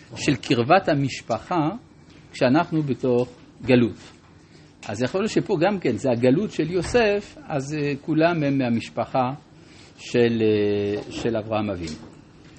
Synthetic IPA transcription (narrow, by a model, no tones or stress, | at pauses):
ʃe̞lkʰiʁvathamiʃpaχa | kʃeanaχnubeto̞χ | ɡalut | ʔa̰zjaχolʃepo̞ɡamke̞nzeaɡalutʃeljo̞sefazekulamhemːeamiʃpaχa | ʃeleʃelavʁahamavin